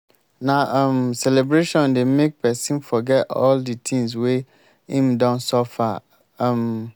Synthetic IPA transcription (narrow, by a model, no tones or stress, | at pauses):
nãʔmsɛlebɾeʃɔ̃ndemek̚pʰɛsĩnfɔɡɛtɔ̰lditʰĩŋs̬we | ĩmdɔ̃nsɔfã | m